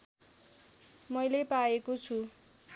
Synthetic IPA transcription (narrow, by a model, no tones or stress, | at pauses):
mʌjlepaekot͡sʰu